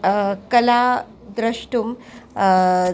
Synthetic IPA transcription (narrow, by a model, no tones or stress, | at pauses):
kəla | d̪ɾəʂʈum